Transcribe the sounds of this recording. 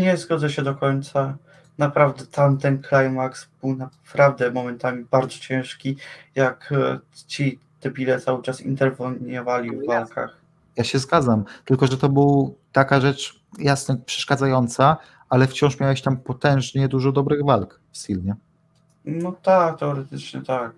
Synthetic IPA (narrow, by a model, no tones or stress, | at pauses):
ɲɛzɡɔd̪zɛɕɛd̪ɔkɔɲt̪sa | napɾavd̪ɛt̪amt̪ɛnklajmaksb̥ɘwnapɾavd̪ɛmɔmɛnt̪amʲibaɾd̪zɔt͡ɕɛ̃w̃ʂkʲijakt͡ɕi | t̪ɛbʲilɛt̪sawɘt͡ʂasḭnt̪ɛɾvɲɔvalʲivːalka̰x | jaɕɛzɡad̪zamt̪ɘlkɔʐɛt̪ɔbɘwt̪akaʐɛt͡ʂ | jasnɔpʂɛ̥ʂkad̪zajɔnt̪sa | alɛft͡ɕɔ̃ʂmʲjawaɕt̪ampɔt̪ɛ̃w̃ʐɲɛd̪uʐɔd̪ɔbɾɘɣvalk | fst̪ʲilɲɛ | nɔt̪ak̚t̪ɛɔɾɛt̪ɘt͡ʂɲɛt̪ak̚